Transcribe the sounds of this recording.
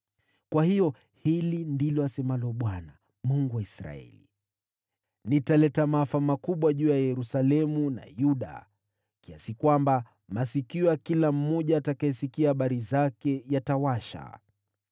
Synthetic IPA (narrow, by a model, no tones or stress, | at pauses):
kwahijɔ | hilindilɔasɛmalɔɓwana | muŋɡuwaisɾa̰ɛ̰lḭ | nitalɛtamaafamakuɓwaʄuːjajɛɾusalɛmuna̰juɗa̰ | kiasikwamba | masikiɔakilam̩ːɔʄaːtakaɛsikiahaɓaɾizakɛjatawaʃa̰